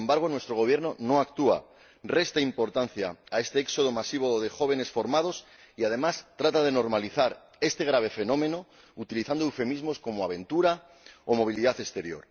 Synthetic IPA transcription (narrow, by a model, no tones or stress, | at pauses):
mbaɾɣ̞onwe̞st̪ɾo̞ɣ̞o̞β̞je̞ɾnono̞akt̪ua̰ | re̞st̪aimpo̞ɾt̪an̟θjaːe̞st̪eekso̞ð̞omasiβoðe̞xo̞β̞e̞ne̞sfo̞ɾmað̞o̞s | iað̞e̞mast̪ɾat̪að̞e̞no̞ɾmaliθaɾ | e̞st̪eɣ̞ɾaβ̞e̞fe̞nõ̞mẽ̞no̞ | ut̪iliθand̪oewfe̞mizmo̞sko̞moaβ̞e̞nt̪uɾa | omo̞β̞iliðaθe̞st̪e̞ɾjo̞̰ɾ